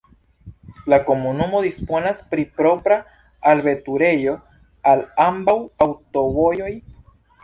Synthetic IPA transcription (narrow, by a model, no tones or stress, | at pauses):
lako̞munumo̞d̪ispo̞naspɾipɾo̞pɾaː | lbe̞tuɾe̞jo̞ | alambawawto̞vo̞jo̞j